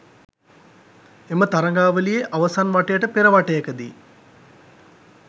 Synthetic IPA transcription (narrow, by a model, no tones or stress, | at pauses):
emət̪aɾɐŋɡaːʋəlijeʔaʋəsanʋaʈejəʈəpeɾəʋaʈejəkəd̪i